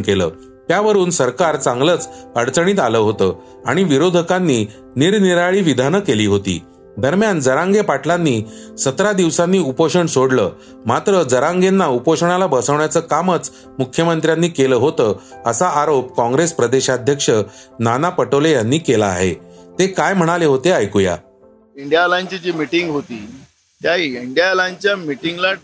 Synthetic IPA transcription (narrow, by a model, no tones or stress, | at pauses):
kelə̰ː | t̪jaʋəɾuːnsəɾkaɾt͡saŋɡləːt͡səɽt͡səɽ̃iːt̪aləɦot̪əː | aɽ̃iʋiɾod̪ʱəkanːiː | niɾniɾaɭiːʋid̪ʱanəkeliːɦot̪ḭː | d̪əɾmjand͡zəɾãŋɡepaʈʰlanːiː | sət̪ɾad̪iʋsanːiːupoɕəɳsoɽləː | mat̪ɾəd͡zəɾaŋɡenːaupoɕəɳalabəsəʋɳjat͡səːkamət͡s | mukʰjəmənt̪ɾjanːiːkeləːɦot̪əː | əsaʔaɾopkɔ̃ŋɡɾespɾəd̪eɕad̪ʱjəkʂənanapəʈəʋlejanːiːkela̰ːɦḛt̪ekajm̤əɽ̃aleɦot̪eajkuja̰ | iɳɖjalãɲt͡ɕid͡ʑiːmiʈiŋɡɦot̪iː | taiiɳɖijalãɲt͡ɕjamiʈiŋɡla